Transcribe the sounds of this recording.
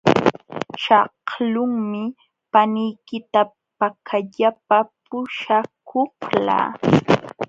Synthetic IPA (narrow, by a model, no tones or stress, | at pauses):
ʃɑhlʊŋmɪ | panɪjkɪt̪a | pakʰaʎapapʊʃakohla̰ː